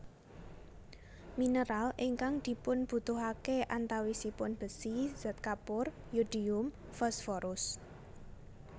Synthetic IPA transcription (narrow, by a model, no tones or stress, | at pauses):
minəɾalʔiŋkaŋd̪̥i̤pʊnb̥ṳt̪uɦakeʔant̪awisipʊnb̥ə̤siz̥ɛt̪̚kapʊr | jud̪̥iʊm | fɔsfɔɾʊs